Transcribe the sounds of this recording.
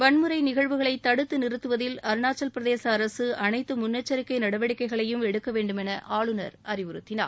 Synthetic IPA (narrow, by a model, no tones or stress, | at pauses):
ʋɐɳmɯɾɐɪnɪɣɐɻʋɯɣɐɭɐɪt̪ːɐɽɯt̪ːɯnɪɾɯt̪ːɯʋɐðɪlɐɾɯnaːt͡ʃːɐlpɪɾɐðeːsɐːɾɐsɯɐnɐɪt̪ːɯmʊnːɐt͡ʃːɐɾɪkːɐɪnɐɽɐʋɐɽɪkːɐɪɣɐɭɐjɯmɛɽɯkːɐʋeːɳɖɯmɛnɐʔaːɭɯnɐɾɐɾɪʋɯɾɯt̪ːɪna̰ː